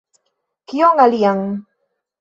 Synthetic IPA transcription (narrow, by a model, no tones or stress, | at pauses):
kioŋaliaŋ